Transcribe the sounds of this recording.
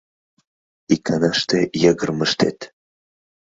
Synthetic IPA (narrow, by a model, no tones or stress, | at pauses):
ikʰanaʃt̪ejəɡərməʃt̪ḛt̪